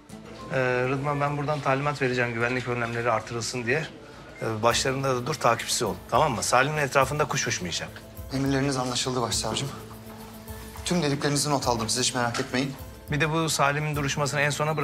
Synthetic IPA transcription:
ɛːɾɯd̪mabænbuɾd̪ant̪ʰaːlʲimat̪ve̞ɾed͡ʒæmɟyvænlʲicø̞nlʲæmlʲe̞ɾiaɾt̪ʰːɯɾɯlˠsɯnd̪ijæɾ | baʃlˠaɾɯnd̪ad̪ad̪uɾt̪ʰaːcʰi̥psizo̞lˠd̪ut̪ʰamamːasaːlʲiminɛt̪ɾaːfɯnd̪akʰuʃhuʃmujad͡ʒam | e̞miɾlʲe̞ɾinizanlˠaʃɯlˠd̪ɯbaʃsˠaɾd͡ʒɯm | t̪ʰymd̪eɾʲilʲe̞ɾinizinot̪ʰalˠd̪ɯmsizit͡ʃme̞ɾakʰɛt̪me̞jin | bid̪ɛbusaːlʲimind̪uɾuʃmas̬ɯnaænso̞nabɯɾ

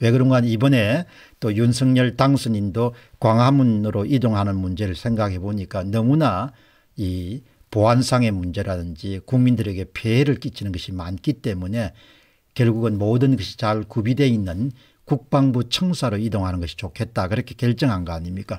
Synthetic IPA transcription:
we̞ɡɯɾoŋɡanibʌne̞ | t͈ojunsʰʌŋɲʌɭtaŋsʰɯɲindokwaŋɦamunɯɾoʔidoŋɦanɯnmund͡ʑe̞ɾɯɭsʰe̞ŋɡakʰe̞boɲik͈anʌmuna | i | poɦansʰaŋe̞mund͡ʑe̞ɾadɯnd͡ʑikuŋmindɯɾe̞ɡe̞pʰeeɾɯɭk͈it͡ɕʰinɯnɡʌɕʰimank͈it͈e̞mune̞ | kjʌɭɡuɡɯnmodɯnɡʌɕʰi̥t͡ɕaɭkubide̞inːɯn | kuk̚p͈aŋbut͡ɕʰʌŋsʰaɾoidoŋɦanɯnɡʌɕʰi̥t͡ɕokʰe̞t̚t͈akɯɾʌkʰe̞kjeɭt͡ɕ͈ʌŋɦanɡʌaɲimɲik͈a

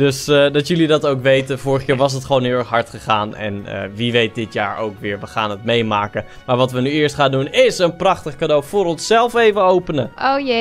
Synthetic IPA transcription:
d̥øsdɑtjəlidɑtowkʋejtənvʊːrəχkjɪːɹʋɑs̬ɦətχəʋoːnɦɪlˠɛxɦɑɹtχəχaːnɛ̰nə̰ʋiʋejt̚dɪtjaːɹo̰wkʋɪːɹʋəχaːnətmejmaːkə | maːɹʋɑtʋənyɪːɹstχaːndunɪsənprɑχtəχkadowfʊːɾɔnsɛlˠfejvəowpənəoj

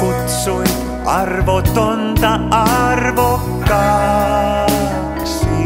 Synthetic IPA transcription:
kut̪suj | ɑrʋot̪ont̪ɑɑrvokːɑ | s

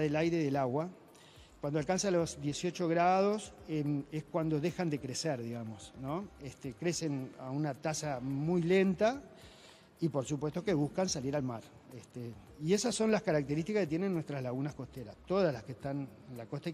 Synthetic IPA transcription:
ðelajɾe̞ðelaɣwa | kwandoalkansalo̞zðje̞sio̞t͡ʃo̞ɣɾað̞o̞semeskwand̪o̞ðexand̪e̞kɾeseɾðiɣamo̞snõ̞est̪ekɾe̞se̞na̰unat̪asamujle̞nt̪a | ipo̞ɾsupwe̞st̪o̞keβ̞uhkansaliɾalmaɾ | est̪e | iesasːonlaskaɾak̚t̪eɾist̪ikahkejenenːwe̞st̪ɾazlaɣunasko̞ht̪eɾast̪o̞ðazlaskeːht̪anenlako̞st̪a

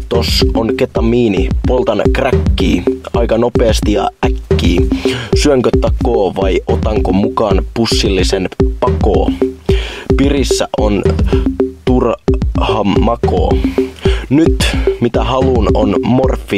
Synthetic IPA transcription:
t̪osonket̪ɑmiːnipolˠt̪ɑnkrækːiːɑjkɑno̞peːst̪ijɑ̰ʔækːiːsyøŋkøt̪ːɑkoːʋɑjʔot̪ɑŋkomukɑːnpusːilːisenpɑko̰ː | pirisːæ̰ʔon | t̪urhɑmːɑko̰ː | nyt̪mit̪æhɑluno̰nmorfːi

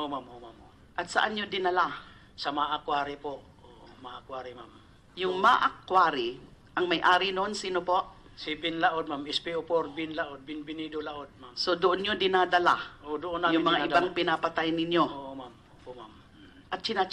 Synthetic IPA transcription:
ʔomamomam | ʔɐt̪sɐʔanɲod̪ɪnɐla | sɐmaʔakwaːɾɪpo | maʔakwaːɾimam | jʊŋmaʔakːwaːɾɪ | ʔɐŋmɐjʔaːɾinoʔonsiːnopo̞ʔ | sibɪnlaʔod̪̚mamɪspiopoɾbɪnlaʔod̪̚bɪnbɪnid̪olaʔod̪̚mamsod̪oʔonɲod̪ɪnad̪ɐla̰ʔod̪ʊʔonajʊŋmɐŋaʔɪbaŋpɪnapɐt̪ajnɪɲjoomamoomam | ʔɐt̪̚t͡ʃɪnat͡ʃ

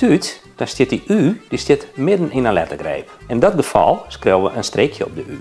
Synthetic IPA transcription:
tyt | d̥ɔstɪt̚diʔyːdistɪtmɪdən̩inənlɛtəɡrɛ̰jp̚ɛndɔt̚ɡəfɔ̰lˠskrowʋəʔənstrekʰjəɔ̰p̚dəʔy̰ː

